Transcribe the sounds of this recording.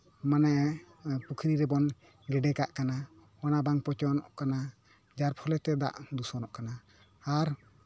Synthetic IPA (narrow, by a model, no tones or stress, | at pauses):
manaʔ | pukʰɾiɾɛbɔn | ɡɛɖɛkaʔkana | ɔnabaŋpɔt͡ʃɔnɔʔkana | d͡ʒaɾpʰɔlɛt̪ɛd̪a̰ʔd̪usɔnɔʔkanaː | ɾ